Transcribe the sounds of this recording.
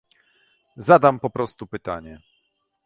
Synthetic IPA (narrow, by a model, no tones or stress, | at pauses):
zad̪ampɔpɾɔst̪upɘt̪a̰ɲɛ